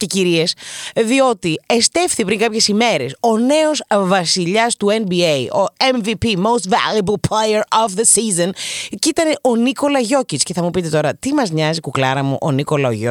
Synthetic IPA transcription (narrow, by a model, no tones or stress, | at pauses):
ce̞ciɾiesðio̞t̪ie̞st̪e̞fθipɾiŋkɐpçe̞sime̞ɾe̞so̞ne̞o̞zvɐsiʎɐst̪uenbieio̞eɱvipimowst̪væ̰ljɐbɐlplejeɾɔvðəsizoncit̪ɐne̞ʔoniko̞lɐʝo̞cit͡sce̞θɐmupit̪e̞t̪o̞ɾɐt̪imɐzɲɐzikuklɐɾɐmṵʔoniko̞lɐoʝo